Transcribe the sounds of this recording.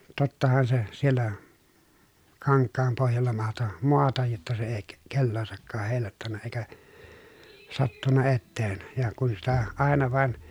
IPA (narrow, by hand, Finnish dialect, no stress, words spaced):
totːɑhɑn se sielːæ kɑŋkːɑːm pohjɑlːɑ mɑhto moɑtɑj jotːɑ se eˑi ke kelːoːsɑkːɑːh heˑi̯lˑɑˑotːɑnːɑ eĭkæ sɑtːunːɑ etːeːn jɑ kun sitæ ɑˑenɑ ʋɑˑen